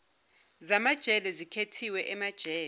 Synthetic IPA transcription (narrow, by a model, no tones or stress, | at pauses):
zamad̥ʒ̥ʱɛlɛzikʰetʰiwɛʔɛmad̥ʒ̥ʱɛː